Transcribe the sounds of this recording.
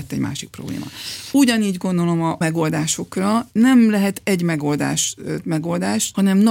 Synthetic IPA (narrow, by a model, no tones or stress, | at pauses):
t̪ːɛɟma̰ːʃik̚pro̞blḛːmɒ̰uɟɒniːɟɡo̞nd̪o̞lo̞mɒmɛɡo̞ld̪aːʃo̞krɒnɛmlɛɦɛt̪ɛɟmɛɡo̞ld̪a̰ːʃmɛɡo̞ld̪aːʃhɒnɛmnɒ